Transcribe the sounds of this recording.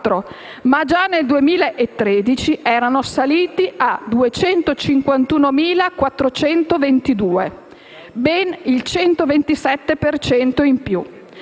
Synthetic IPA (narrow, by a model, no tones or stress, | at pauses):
t̪ːɾo | mad͡ʒaneld̪uemiːlaʔet̪ːɾed̪it͡ʃiʔɛːɾanosaliːt̪iʔad̪uet͡ʃɛnt̪ot͡ʃiŋkwant̪uːnomiːlakwat̪ːɾot͡ʃɛnt̪ovent̪id̪uːe | bɛnilt͡ʃɛnt̪ovent̪isɛt̪ːepert͡ʃɛnt̪oimpju